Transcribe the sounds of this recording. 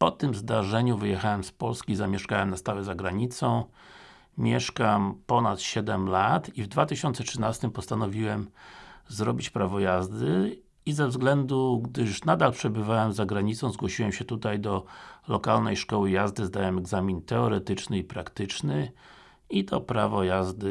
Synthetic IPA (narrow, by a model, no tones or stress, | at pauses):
pɔt̪ɘmzd̪aʐɛɲuvɘjɛxawɛmspɔlskʲizamʲjɛʂkawɛmnast̪awɛzaɡɾaɲit̪sɔ̃w̃ | mʲjɛʂkampɔnat̪ɕɛd̪ɛmlat̪ivd̪vat̪ɘɕɔnt̪sɛtʂɘnast̪ɘmpɔst̪anɔvʲiwɛmzɾɔbʲit͡ɕpɾavɔjazd̪ɘ | izɛvzɡlɛnd̪uɡd̪ɘʂnad̪alpʂɛbɘvawɛmzaɡɾaɲit̪sɔ̃w̃zɡwɔɕiwɛmɕɛt̪ut̪ajd̪ɔlɔkalnɛjʂkɔwɘjazd̪ɘzd̪awɛmɛɡzamʲint̪ɛɔɾɛt̪ɘt͡ʂnɘipɾakt̪ɘt͡ʂnɘ | it̪ɔpɾavɔjazd̪ɘ